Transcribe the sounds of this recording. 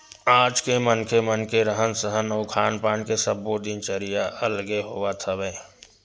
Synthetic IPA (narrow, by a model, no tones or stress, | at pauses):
aːd͡ʒkemənkemənkeɾəɦənsəɦənoːkʰaːnpaːnkesəbːod̪ɪnt͡ʃəɾijaʔəlɡeɦoʋat̪ʰəʋẽː